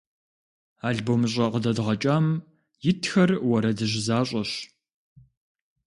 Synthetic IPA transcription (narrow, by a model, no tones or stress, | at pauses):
aːɮboːmɕ̬ʼɐqədɐdʁɐt͡ʃʼaːm | jɪtʰxɐrwɐɾɐdɨʑɪzaːɕʼɐɕ